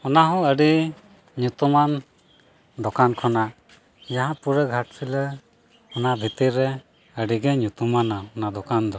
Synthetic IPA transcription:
ɔnaɦɔ̃əɖi | ɲut̪uman | d̪ɔkankʰɔnaʔ | jaɦãpuɾəɡʱaʈ̚pʰilə | ɔnabʱit̪iɾɛ | əɖiɡɛɲut̪umanaɔnad̪ɔkand̪ɔ

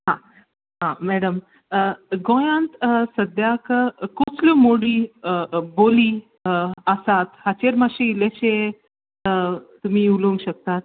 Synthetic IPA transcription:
ɦã | ɦãmæɽəm | ɡõjãnt̪səd̪jakkot͡slumoɽiː | boliː | əsat̪hat͡ɕeɾmaɕeilaɕe | t̪um̤iːuloŋɡɕək̚t̪at̪̚

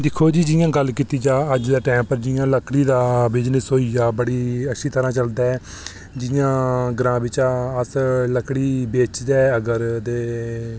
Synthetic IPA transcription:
d̪ɪkʰːoːd͡ʒiːd͡ʒɪjãːɡəlːkiːt̪iːd͡ʒãːəd͡ʒd̪aːʈɛːmpəɾd͡ʒɪjãːləkɽiːd̪aːbɪd͡ʒnəsoːijaːbəɽiːəʃʰiːt̪əɾãːt͡ʃəld̪aːɛː | d͡ʒɪjãːɡɾãːbɪt͡ʃaːəsləkɽiːbeːt͡ʃd̪ɛːəɡəɾd̪eː

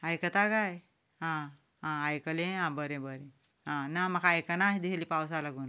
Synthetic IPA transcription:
ajkət̪aɡaj | ɦã | ɦãajkəlẽɦãbəɾẽbəɾẽ | ɦãnamɐkʰaːjkənaɦid̪iselipaws̬alaɡuːn

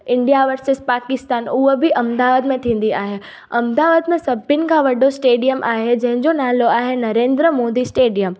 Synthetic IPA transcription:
ɪ̃ɳɖijaʋəɾsɪspaːkɪst̪aːnʊɦobiʔɐmd̪aːʋaːd̪mẽt̪ʰĩːn̆d̪iaːɦe | ɐmd̪aːʋaːd̪mẽsɐbʱɪnɪ̆kʰãʋɐɖosʈeːɖijəmʔa̰ːɦed͡ʑɐ̃ɦɪ̃ɲd͡ʑonaːloaːɦenɐɾẽːnd̪ɾəmoːd̪isʈeːɖijəm

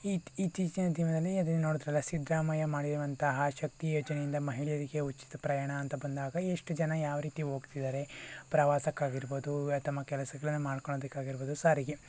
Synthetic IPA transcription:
iiːt͡ʃiːt͡ʃinɐt̪imɐd̪ɐneɐd̪ɐnːɐnoːɽud̪ɾɛlːɐsid̪ɾaːmajɐmaːɽiɾɐʋɐnt̪ɐɦɐʃɐk̚t̪ijoːd͡ʒɐnejind̪ɐmɐɦiɭijɐɾiɡe̞ut͡ʃːi̥t̪ɐpɾɐjaːɳɐːnt̪ɐbɐnd̪aːɡɐeʂʈud͡ʒɐnɐjaːʋɐɾiːt̪iɦo̞ːɡt̪id̪aːɾe̞pɾɐʋaːsɐkːaːɡiɾboːd̪ut̪ɐmːɐkɛlɐsɐɡɐɭɐnːumaːɽkoɭoːd̪ɐkːaːɡiɾboːd̪usaːɾiɡe

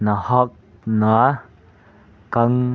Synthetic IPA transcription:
nahɔk̚ | na | kaŋ

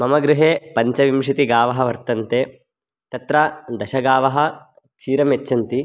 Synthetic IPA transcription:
mɐmɐɡɾuɦeːpɐɲt͡ʃɐʋimʂit̪iɡaːʋɐɦɐʋɐɾt̪ɐnt̪eː | t̪ɐt̪ɾɐd̪ɐʃɐɡaːʋɐɦɐ | kʂiːɾɐmet͡ʃːʃːɐnt̪i

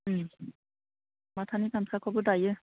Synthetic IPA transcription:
matʰanikansakʰɔbɔtajɛ

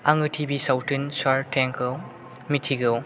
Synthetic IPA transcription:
aŋɯtʰibisawtʰɯnsaɾtʰeŋkɯw | mitʰiɡɯw

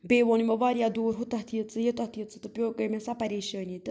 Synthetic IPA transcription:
beːʋonimɐʋaːɾijad̪oːɾɦut̪ɐɦt̪ʰiət͡sɨjet̪aht̪ʰijət͡sɨt̪ɨpʲjoːkəmesapɐɾeːʃəːnʲit̪ɨ

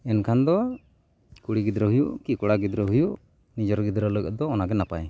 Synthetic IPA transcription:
ɛnkʰand̪ɔ | kuɽiɡid̪ɾəɦujuʔkikɔɽaɡid̪ɾəɦujuʔ | nid͡ʒɔɾɡid̪ɾələɡə̰d̪ɔːnaɡɛnapa̰j

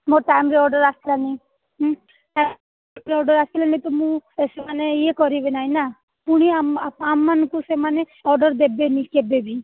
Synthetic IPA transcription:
moɾʈajmɾeɔɾɖɔɾasilani | ɦ | ʈam | pɾeɔɾɖɔɾasilanit̪ɔmũesemaneijekɔɾibenaina | puɽ̃iaamːankusemane | ɔɾɖɔɾd̪ebenikebebi

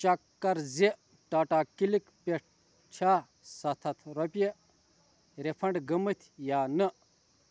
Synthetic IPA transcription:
t͡ʃɐkːɐɾzeʔ | ʈaːʈaːkilikpʲeʈ̚ʰ | t͡ʃʰaː | sɐt̪ʰɐt̪ʰɾopʲe | ɾepʰɐɳɖɡɐmət̪ʰjaːnəʔ

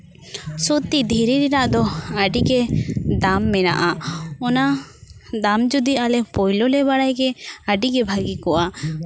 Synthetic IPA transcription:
sut̪id̪ʱiɾiɾiɾaʔd̪ɔaɖiɡɛd̪amːɛna̰ʔaɔna | d̪amd͡ʒud̪ialɛpɔjlɔlɛbaɽajɡɛaɖiɡɛbʱaɡikɔʔa

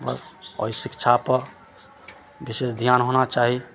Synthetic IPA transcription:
bə̰sɔ̰sɪkt͡ʃʰapəɾ | biseːsd̪ʱjaːnɦoːnat͡ʃaːɦi

